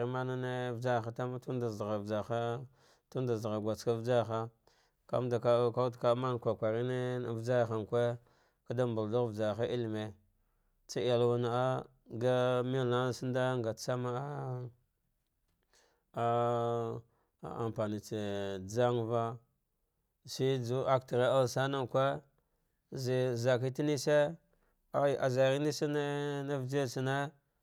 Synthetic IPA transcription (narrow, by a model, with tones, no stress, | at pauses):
ɾi˦ma˦na˦ne˦vd͡ʒa˦˨xa˨ta˦ma˦tu˦nda˨zɣa˨vd͡ʒa˨xa˦ | tu˦nda˨zɣa˨ɡʷa˨t͡ska˦vd͡ʒa˦˨xa˦ | ka̰˦mda˨ka˦ka˦u˦tka˦ma˦n˨kʷa˨kʷa˨ɾi˦ne˦vd͡ʒa˦˨xa˨ŋkʷe˦ | ka˦da˦mbu˨ldu˦ɾvd͡ʒa˨xa˦i˦lme˨ | t͡sa˦a˨lwa˦na˨a˦ | ɡa˦mi˦la˦snda˦ŋɡa˨t͡sa˦ma˦ | a˦˨ | a˨mpa˨ni˨t͡se˨d͡za˦ŋva˦ | si˦d͡zu˦a˦k̚ti˨ɾe˦a˦lsa˦na˦ŋkʷe˦ | zi˨za˨ki˦ti˦ni˦se˦ | a˦˨ʔa˨za˨ɾi˦ni˦sa˦ne˦na˦vd͡ʒe˦˨si˨ne˦